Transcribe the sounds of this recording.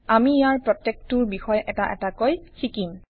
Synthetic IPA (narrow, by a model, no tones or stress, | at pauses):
amiːjaɹpɹɔtːek̚tʊɹbixɔjʔɛtaʔɛ̰takojxʰikim